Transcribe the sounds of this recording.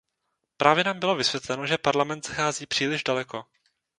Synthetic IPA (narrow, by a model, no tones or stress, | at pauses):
pɾʔaːvjɛnaːmbɪlovɪsvjɛt̪lɛnoʒɛpaɾlamɛnt̪z̥axaːziːpr̝̥iːlɪʒdalɛko̞